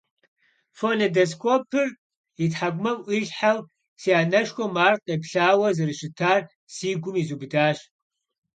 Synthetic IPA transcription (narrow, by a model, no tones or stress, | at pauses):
fonedeskʷʰopʰɨr | itħaɡʷmɐmʔiɮħal | siaːnɐʃkʷɔmaːrqepɬaːwɐzɨrɨʃɪtʰaːr | siːɡʷʊmizubdaːʃ